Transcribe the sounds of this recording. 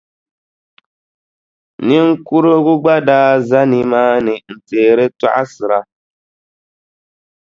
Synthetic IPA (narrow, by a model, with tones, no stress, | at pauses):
nɪ˦ŋ˦ku˦ɾo˦ɣʊ˦ɡ͡ba˦daː˦za˦ni˨maː˦nɨ˨n̩˨teː˨ɾe˦ta̰˦ʔa˦sɨ˨ɾa˦